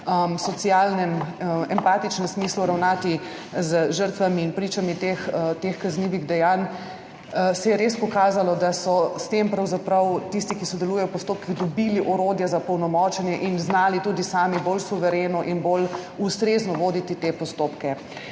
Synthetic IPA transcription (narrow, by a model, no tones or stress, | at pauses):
əmsɔt̪sijalnɛmɛmpaːt̪it͡ʃnɛmsmiːsluɾawnaːt̪i | zəʒəɾt̪ʋamiːnpɾiːt͡ʃamit̪ext̪exkazniːʋiɣd̪ɛjan | sɛjɛɾespɔkaːzalɔd̪asɔst̪empɾɐwzapɾɐwt̪ist̪ikisɔd̪ɛluːjɛjɔwpɔst̪oːp̚kiɣd̪ɔbiːliʔɔɾoːd̪jɛzapɔwnɔmɔːt͡ʃɛnjɛʔinznaːlit̪uːd̪isaːmibolsuʋɛɾenɔʔinbolust̪ɾeznɔʋoːd̪it̪it̪epɔst̪oːpkɛ